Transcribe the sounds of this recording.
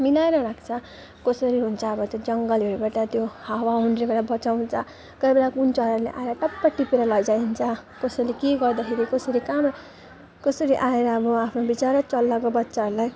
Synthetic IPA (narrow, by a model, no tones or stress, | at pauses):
milaeɾʌɾakʰt͡sʰʌ | kʌsʌɾiɦunt͡sʰʌʌbʌt̪jod͡zʌŋɡʌleɾubaʈʌt̪johawaɦuɳɖrebeɽabʌt͡sawnt͡sʰʌ | kʌbeɽakunt͡sʌɾʌɾlḛʔa̰eɾʌʈʌpːaʈːipeɾʌlʌd͡zaint͡sʰʌkʌsʌlekeɡʌrd̪ʌkʰeɾikʌsʌɾikam | kʌsʌɾiʔaeɾʌːbʌapʰnobit͡saɾʌt͡sʌlːakobʌtːsaɾlaj